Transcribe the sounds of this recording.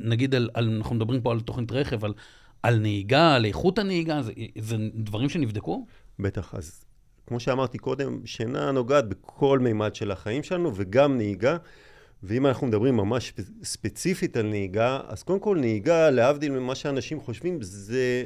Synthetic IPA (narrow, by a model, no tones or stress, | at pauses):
naɡidalalnaχnumed̪abʁimp̬o̞alt̪o̞χnit̪ʁe̞χe̞val | alneiɡaleeχutaneiɡazezedvaʁimʃe̞nivd̪eku | be̞t̪aχa̰z | kmo̞ʃeamaʁt̪iko̞d̪e̞mʃenano̞ɡaːt̪̚bekʰo̞lmejmad̪ʃe̞laχaimʃelanuveɡamneiɡa | veimanaχnumed̪abʁimːamaʃspet͡sifitalneiɡaa̰z̥kodemko̞lneiɡaleavd̪ilmimaʃeaːnaʃimχo̞ʃvimze